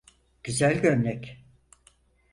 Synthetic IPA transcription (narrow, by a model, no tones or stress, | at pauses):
ɟ̥yzælʲɟønnɛc